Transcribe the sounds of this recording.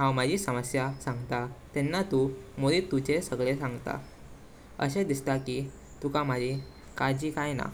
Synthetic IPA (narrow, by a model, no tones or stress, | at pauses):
ɦãwmad͡ʑisəməsjasãŋɡt̪at̪ɛnːat̪umuɭit̪ut͡ɕesəɡɭesãŋɡt̪a̰ | ə̰ɕẽd̪ist̪aki | t̪ukamad͡ʑi | kad͡ʑiːkajna̰